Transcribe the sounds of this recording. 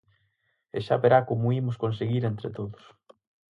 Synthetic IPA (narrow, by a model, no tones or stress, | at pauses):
eʃa̰βeɾakomʊimʊskonseɣiɾent̪ɾet̪oðʊs